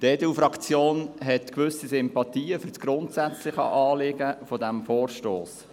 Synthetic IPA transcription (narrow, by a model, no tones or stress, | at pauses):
tɛdɛufɾɑkt͡sjoːnɦɛtkʋʏsisɪmpɑt̪iːəfyɾtsɡ̥ɾʊnt̪sæt͡slɪχə̰ʔɑːlɪɡəfɔd̪æmfoːrʃtoːs